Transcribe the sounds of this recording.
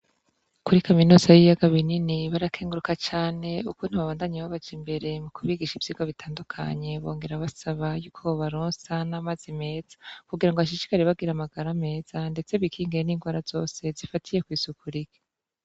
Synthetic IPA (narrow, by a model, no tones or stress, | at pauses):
kuɾikaminuːzajijaɡaβininiβaɾakʰeːŋɡuɾukat͡ʃaːne̞ukuːn̥huβaβaːndaɲiwaβad͡ʒimbe̞ɾe̞mukʰuβiɡiʃivjiːɡoβitʰaːndukʰa̰ɲe̞βo̞̰ːŋɡe̞ɾaβasaβajuːkʰo̞βaɾoːnsanamazime̞ːz̥ḁkuɡiɾaŋɡoaʃ̬izi̥kaɾeβaɡiɾamaɡaɾame̞ːz̥ande̞t͡se̞βikʰiːŋɡeeniːŋɡwaːɾaz̥o̞̰ːse̞zifatʰije̞kwiːzukʰuɾike̥